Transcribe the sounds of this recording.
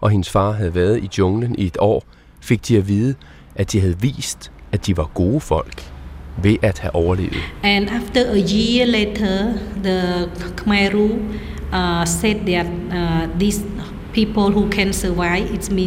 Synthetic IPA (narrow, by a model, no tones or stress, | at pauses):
ʔɒ̽ɦe̝nəsfɑ̈ːɦæð̞ˠəʋæɐð̩ˠidɔŋlənie̝d̥ɒ̰ː | fe̝ɡ̥̚d̥iæʋiːðˠə | ʔæd̥iɦæð̞̩ˠəʋḭːsd̥æd̥iʋɑ̈ɡ̥o̝ːfɒ̽l̰ɡ̥ʋe̝ʔæd̥hæʔɒʊɐle̝̰ːʊð̩ˠʔɛ̃naftəʔəjilɛtʰəd̪əkʰmaɪɾu | sɛt̚dɛt̚dis | pʰipəlɦukʰɛ̃nsəʋaɪitsmi